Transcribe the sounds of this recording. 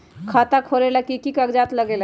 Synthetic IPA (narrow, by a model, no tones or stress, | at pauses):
kʰaːt̪akʰoːɾelakikikakd͡ʒaːt̪ləɡeːl